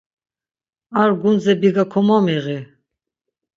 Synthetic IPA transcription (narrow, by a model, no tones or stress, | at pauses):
aɾɡunzɛbiɡakʰɔmamiʁi